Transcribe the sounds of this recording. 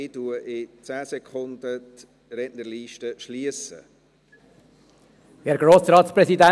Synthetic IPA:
ɪtuəʔɪt͡sæːsɛkʰχʊnd̪ət | ɾɛtnəɾliːʃtəʃliəsə̰ | hɛɾɡ̥ɾoːsɾɑːt̪spɾɛsidæ

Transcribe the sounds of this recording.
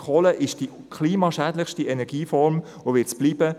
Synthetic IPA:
χoləʔɪʃd̥i | kʰliːmɑʃæːdləχʃtiɛnɛɾɡ̥iːfɔɾm | oʋɪtt͡sb̥liːbə

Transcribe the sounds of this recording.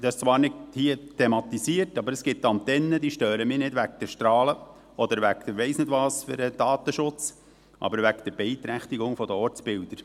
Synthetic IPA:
d̥̪ɛst͡sʋɑːɾnɪdhiətʰemɑt̪isiərtɑbəɾəsɡ̥ɪtːɑnt̪ɛnːəd̪iːʃtøːɾəmɪːnɪdʋæk̚d̥̪ɛʃt̪ɾɑːlə | ɔd̪əɾʋækd̥əʋɛɪsnɪdʋɑːsfɪ̰ɾɛd̥ɑːt̪əʃʊt͡s | ʔɑ̰bəɾʋækd̥̪ɛɾbɛɪt̪ɾæχt̪iɡʊŋfɔd̪əɔɾt͡sbɪld̥̪əɾ

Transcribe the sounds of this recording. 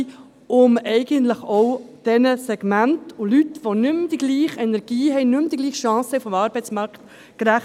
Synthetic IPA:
ʊmɛɪɡənt̪ləχɔwd̥ɛnəsɛɡ̥mæntʊlytʋɔnʏmd̥̪iɡ̥liːχɛnɛɾɡ̥iːɦɛɪnʏmd̥̪iɡliːχʃɑ̃ːsɛʊfɔmɑːɾbɛɪt͡smɑɾkt̪ | kɾæχ

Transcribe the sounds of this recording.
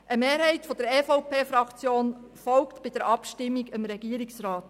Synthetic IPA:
ʔəmeːɾɦɛɪtfɔd̪əɾɛːfɔwpʰeːfɾɑkt͡sjoːnfɔlktb̥ɪd̥̪əɾʔɑpʃtɪmːiɡəmɾɛɡ̥iəɾɪksɾɑːt̪

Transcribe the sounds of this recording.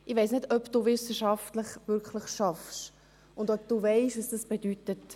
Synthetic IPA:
ʔɪʋɛɪsnɪdœpd̥uːvɪsəʃɑftləχvʏɾkləχʃɑfʃ | ʊndœp̚d̥uːvɛɪʃɑsd̥ɑsb̥edytət

